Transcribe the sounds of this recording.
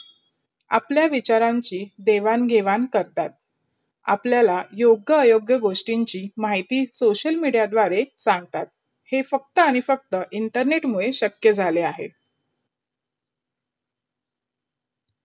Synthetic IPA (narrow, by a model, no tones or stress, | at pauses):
a̰pljaʋit͡ɕaɾaɲt͡ɕiːd̪eʋanɡʱeʋankəɾt̪at̪̚ | a̰pljalajoɡjəːjoɡjəɡoʂʈiɲt͡ɕiːmaɦit̪iːsoɕəlmiɽjad̪ʋaɾesãŋɡt̪at̪̚ | hefək̚t̪əaɽ̃ifək̚t̪əʔiɳʈəɾneʈmuɭeɕəkjəd͡zʱaleaɦḛ